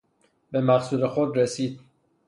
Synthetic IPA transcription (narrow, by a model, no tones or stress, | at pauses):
be̞mæɢsuːlexod̪ɾesiːd̪̥̚